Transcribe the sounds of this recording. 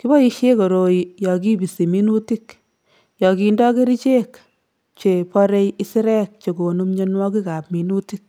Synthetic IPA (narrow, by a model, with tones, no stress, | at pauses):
ki˦bɔ˦i˦ʃe˦ko˨ɾo˨ijɔ˨ki˦bi˨si˨mi˦nu˦ti˦k | jɔ˨ki˧ndɔ˦ke˦ɾi˦t͡ʃe˦k | t͡ʃe˨pɔ˦ɾe˦ji˦sɪ˦ɾɛ˦k̚t͡ʃe˨ko˨nu˦mɲe˦nwɔ˦ki˦ka˨pmi˨nu˦tik̚